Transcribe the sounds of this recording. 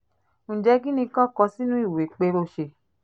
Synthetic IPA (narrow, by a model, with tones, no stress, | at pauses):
ñ̩˨d͡ʒɛ˨˧˦ɡĩ˦nĩ˧kã˦kɔ˧˦si˦nũ˦i˦˨we˨˦k͡pe˧ɾo˧ʃe˧